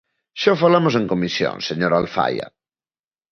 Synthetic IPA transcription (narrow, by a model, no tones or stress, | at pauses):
ʃafalamos̬ẽŋkomisjõ̰ŋseɲoɾalfa̰ja̰